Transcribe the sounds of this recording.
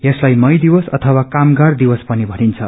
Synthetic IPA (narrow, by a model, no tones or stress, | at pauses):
jeslajmʌjd̪iwʌsʌt̪ʰʌwakamɡard̪iwʌspʌnibʱʌnint͡sʰʌ̰